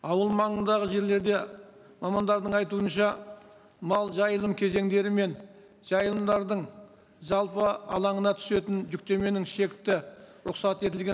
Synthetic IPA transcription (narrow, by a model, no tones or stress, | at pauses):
ɑwəlˠmɑɴənd̪ɑʁəʒe̞ɾle̞ɾd̪e̞ | mɑmɑnd̪ɑɾd̪əɴɑjt̪uənʃɑ | mɑlˠʒɑjəlˠəmkʲʰe̞ze̞ŋd̪e̞ɾɪme̞n | ʒ̥ɑjəlˠəmd̪ɑɾd̪əɴ | ʒɑlˠpəɑ̰lˠɑɴənɑt̪ʰʏ̥se̞t̪ɪnʒʏk̚t̪e̞me̞nɪŋʃe̞kʲt̪ɪɾʊqsɑt̪e̞t̪̬ɪlɡʲe